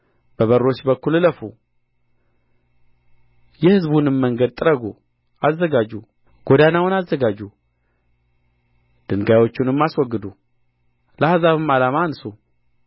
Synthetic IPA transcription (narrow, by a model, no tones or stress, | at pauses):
b̥əβərːo̞t͡ʃːbəkːulːɨləfu | jɛhɨzbunɨmməŋɡəd̪̚t̪ʼɨɾəɡu | ʔazːəɡad͡ʒːu | ɡ̥od̪anawʊnazːəɡad͡ʒːu | d̪̥ɨŋɡajwot͡ʃːɪnɨmːaswɔɡːɨd̪u | ləhazaβɨmalamansu